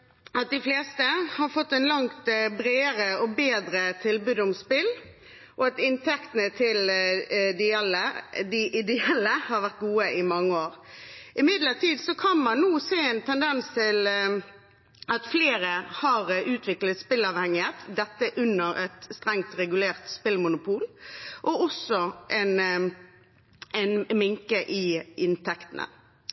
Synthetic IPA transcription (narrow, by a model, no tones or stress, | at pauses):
ɑt̪̚d̪ɪfleːst̪əhɑɾfɔt̪ːɛnlɑŋt̪bɾeːəɾəɔbeːd̪ɾət̪ʰɪlbʉːd̪ɔmspɪl | ʔɔɑt̪ɪnt̪ʰɛkt̪ənət̪ʰɪl | d̪ɪɑlːəd̪ɪʔɪd̪ɛɛlːəhɑɾʋæʁt̪̚ɡuːəʔɪmɑŋːəoːɾɪmɪd̪ləʁt̪ʰiːd̪sɔkʰɑnmɑnːuːseːɛɪnt̪ʰɛnd̪ɛnst̪ʰɪl | ɑt̪fleːɾəhɑɾʉːt̪ʰʋɪklət̪spɪlɑʋhɛŋːɪheːt̪d̪ɛt̪ːəʔʉnːəɾɛt̪st̪ɾɛŋt̪ɾɛɡʉleːʁt̪spɪlmʊnʊpʰuːlʔɔɔsːɔʔɛn | ɛnmɪŋkəʔɪɪnt̪ʰɛkt̪ənə̰